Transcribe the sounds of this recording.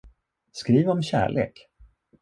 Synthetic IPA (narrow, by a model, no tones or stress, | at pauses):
skɾiːvɔmɕæ̰ːɭʔḛːk